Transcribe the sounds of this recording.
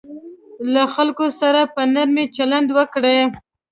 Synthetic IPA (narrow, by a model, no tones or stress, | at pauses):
laxalkosaɾapənaɾmet͡ʃaland̪wəkɽe